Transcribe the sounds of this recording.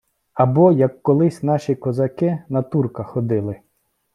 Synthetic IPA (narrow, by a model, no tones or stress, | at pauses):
ɐbɔjɐkːɔlˠɪsʲnɑʃʲikɔzɐkɪnɐt̪urkɐxɔd̪ɪlˠɪ